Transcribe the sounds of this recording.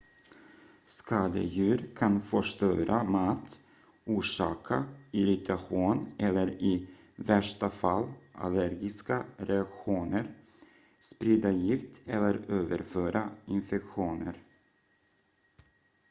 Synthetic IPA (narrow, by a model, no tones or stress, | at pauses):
skʰɑːd̪ə̰jʉ̟ːɾkʰanfœʂt̪øːɾʔamaːt̪ | uːʂɑːkʰaɪɾɪt̪ʰaɧuːnɛlːəɾɪ | væʂʈafalːʔa̰læɾɡɪskaɾɛakɧuːnəɾ | spɾiːd̪ajɪft̪ɛlːəɾøːvəɾføːɾaɪnfɛkɧuːnə̰ɾ